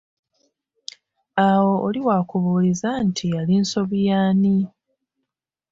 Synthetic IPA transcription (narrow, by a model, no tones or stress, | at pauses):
awo̞ʔoliwaːkuβuːlizantʰialinso̞βjaːni